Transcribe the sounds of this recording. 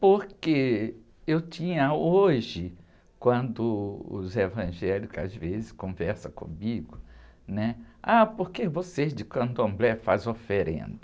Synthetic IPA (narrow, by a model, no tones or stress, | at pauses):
poɾke | ewtĩɲɐoʒɪ | kwɐ̃nd̪ʊʊ̰zevɐ̃ʒɛlikʊa̰zvezɪskõvɛɾsɐkõ̰miɡʊnɛapoɾkevosezd͡ʒɪkɐ̃nd̪ʊɐ̃mblɛfa̰zofeɾḛ̃nd̪ʊ